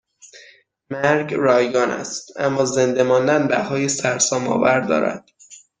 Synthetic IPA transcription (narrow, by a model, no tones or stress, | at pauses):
mæɾɡrɒːjɡɒːnæ̰st̪ʔæmːɒːze̞nd̪e̞mɒːnd̪ænbæhɒːjesæɾsɒːmɒ̰ːvæɾd̪ɒ̰ːɾæ̰d̪̥